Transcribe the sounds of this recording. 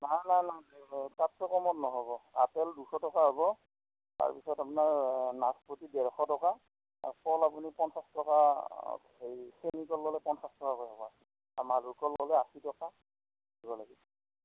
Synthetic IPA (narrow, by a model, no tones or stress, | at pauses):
najnajnajtatːɔkɔmɔtnɔɦɔbɔa̰tɛldusɔtɔkaɦɔbɔ | ta̰ɹpisɔtapunaɹnaspɹotidɛɹɔxɔtɔka | pɔlapunipɔnsastɔka̰ | ɦejsenikɔlːɔlɛpɔnsastɔkakojɦɔbɔasi | a̰maɹukɔlːɔlɛasitɔka | dibɔlaɡis